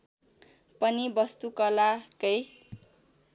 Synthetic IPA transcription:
pʌnibʌst̪ukʌlakʌj

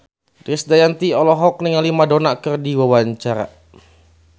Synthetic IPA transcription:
dɾisdajant̪iɔlɔɦɔk̚niŋalimadonakɨrdiwawaɲt͡ʃaɾa̰

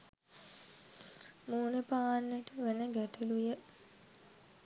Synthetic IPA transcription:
muːnəpaːnːəʈəʋænəɡæʈəlujə

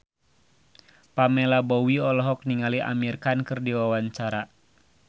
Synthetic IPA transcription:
pamɛlabɔwiɔlɔɦɔk̚niŋaliʔa̰mirkankɨrdiwawaɲt͡ʃaɾa

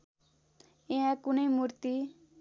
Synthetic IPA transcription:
ẽãkʊnemuɾt̪i

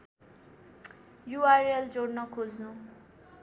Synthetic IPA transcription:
juaɾeld͡zoɽnʌkʰod͡znu

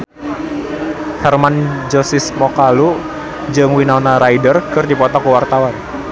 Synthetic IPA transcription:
hɛrmand͡ʒɔsismɔkalu | d͡ʒɨŋwinawnaɾajdərkɨrdipɔt̪ɔkəwart̪awan

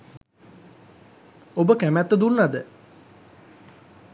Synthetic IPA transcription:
obəkæmæt̪ːəd̪unːad̪ə

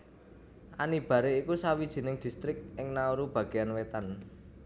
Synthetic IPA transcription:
ʔanib̥ä̤ɾeikusawid̥ʒ̥i̤nɪŋd̪̥i̤st̪ɾɪk̚ɪŋnauɾub̥ä̤ɡ̥e̤anwet̪an

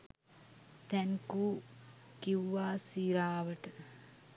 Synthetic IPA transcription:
t̪ɛŋkuː | kiwʋaːsiːɾaːʋəʈə

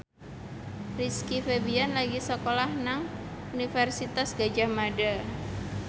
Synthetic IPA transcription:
riskifebianlaɡisɔkolahnaŋ | unifɛrsit̪asɡ̥ad͡ʒahmaɖa

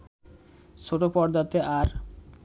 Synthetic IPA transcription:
ʃoʈopɔɾd̪at̪eʔaɾ

